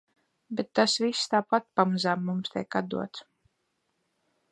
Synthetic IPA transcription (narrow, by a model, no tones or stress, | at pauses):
bet̪ːasvisːt̪aːpat̪̚pamazaːmːumst̪ʲeɛkad̪d̪ṵɔt̪s